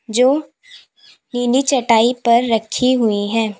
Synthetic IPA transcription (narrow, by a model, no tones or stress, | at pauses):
d͡ʒoː | niːnit͡ʃɐʈaːipɐɾːɐkʰiɦʊiɦɛ̃ː